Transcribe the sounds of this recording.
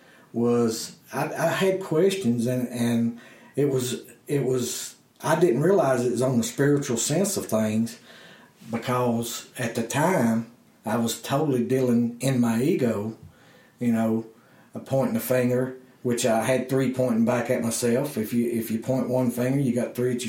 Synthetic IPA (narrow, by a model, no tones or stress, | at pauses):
wʌzaɪaɪɨd̚kʰw̥ɛst͡ʃɨ̃nzɨ̃nɨ̃nɪt̚wʌzɪt̚wʌz | ʔaɪdɪdⁿn̩ʔ̚ɹiəlaɪzɨt̚ʌz̃n̩ðəspɪɹɨt͡ʃul̩ˠsɛ̃nsʌv̥θɪ̃ŋz̥ | bɨkʰʌzɨt̪̚ðɨtʰãɪ̃m | aɪwʌz̥tʰoʊɾl̩ˠidilˠɪ̃ŋɪ̃nmaɪiɡoʊ | jɨnoʊ | əpʰɔ̃ɪ̃nnɨfɪ̃ŋɡə˞wɨt͡ʃaɪɨd̪̚θɹipʰɔ̃ɪ̃nbækɨt̚maɪsɛlˠfɨfjɨɪfjɨpʰɔ̃ɪ̃nʔwʌ̃nfɪ̃ŋɡə˞jɨɡɑt̪̚θɹit͡ʃ